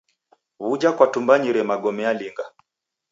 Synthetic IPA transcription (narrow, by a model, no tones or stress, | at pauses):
βud͡ʒakwatumbaɲiɾɛmaɡɔmɛaliŋɡa